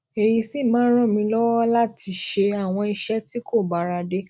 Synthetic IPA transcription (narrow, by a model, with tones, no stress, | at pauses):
e˨ji˧si˦˨mãː˨˦ɾ̃ɔ̃˦˨mĩ˧lɔ˦wɔ˦la˦tʰi˧ʃe˧a˦˨w̃ɔ̃˧i˧ʃɛ˦ti˦ko˦˨ba˨˦ɾa˧de˦